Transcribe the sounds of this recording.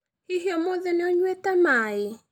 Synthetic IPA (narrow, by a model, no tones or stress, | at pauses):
hiɦjɔmoðɛneɔɲwɛtamae